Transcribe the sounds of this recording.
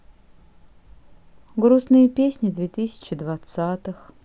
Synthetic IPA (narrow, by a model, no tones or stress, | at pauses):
ɡɾusnɨjəpʲesʲnʲɪd̪vʲet̪ɨsʲɪ̥t͡ɕɪd̪vat̪sat̪ɨx